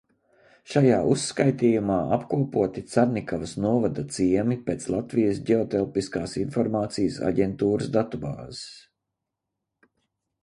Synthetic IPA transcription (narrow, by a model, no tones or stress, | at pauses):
ʃajaːusːkajt̪iːjumaːʔapkuɔpuɔt̪it̪saɾnikavɐsnuɔvad̪at̪siɛmipeːt̪slˠat̪vijəsɟʲeɔt̪ɛlˠpiskaːsinfɔɾmaːt̪sijəsa̰ɟɛnt̪uːɾəsd̪at̪uba̰ːzis